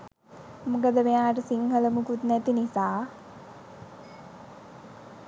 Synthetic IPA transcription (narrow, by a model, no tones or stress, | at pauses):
mukəd̪əmeaːʈəsiŋhələmukut̪næt̪inisaː